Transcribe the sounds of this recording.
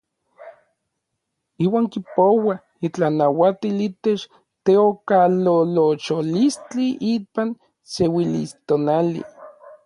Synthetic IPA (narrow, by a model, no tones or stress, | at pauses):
iːwaːŋkipowa | it͡ɬanawat̪ilit̪et͡ʃ | t̪eokalolot͡ʃolist͡ɬiʔipan | sewilḭst̪onalḭ